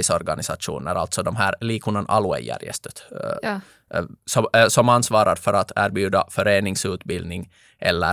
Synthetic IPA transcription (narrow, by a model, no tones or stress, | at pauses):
ɪsɔɾɡanɪsaʂṵːnə̰ɾa̰lt̪sɔd̪ɔmɦæːɾliːkʰunanʔɑ̰lʊɛ̰jə̰ɾjɛ̰st̪ət̪ | sɔsɔmansvɑːɾʔaɾfœɾat̪ʰæːɾbjʉ̟ːd̪afœɾeːnɪŋsʉ̟ːt̪bɪld̪nɪŋ | ʔɛlːə